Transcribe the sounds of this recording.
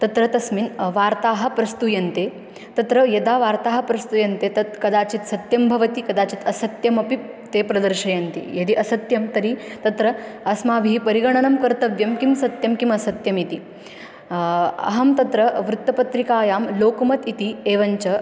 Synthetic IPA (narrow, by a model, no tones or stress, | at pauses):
t̪ɐt̪ɾɐt̪ɐsminʋaːɾt̪aːɦɐ̆pɾɐst̪ujɐnt̪eː | t̪ɐt̪ɾɐjɐd̪aːʋaːɾt̪aːɦɐ̆pɾɐst̪ujɐnt̪eːt̪ɐt̪kɐd̪aːt͡ʃit̪sɐt̪jɐmbʱɐʋɐt̪ikɐd̪aːt͡ʃit̪ɐsɐt̪jɐmɐpi | t̪eːpɾɐd̪ɐɾʃɐjɐnt̪ḭjɐd̪iʔɐsɐt̪jɐmt̪ɐɾit̪ɐt̪ɾɐɐsmaːʋiɦipɐɾiɡɐɳɐnɐmkɐɾt̪ɐʋjɐmkimsɐt̪jɐmkimɐsɐt̪jɐmit̪i | ɐ̰ɦɐmt̪ɐt̪ɾɐʋɾut̪ːɐpɐt̪ɾikaːjaːmloːkɐmɐt̪it̪ieːʋɐɲt͡ʃɐ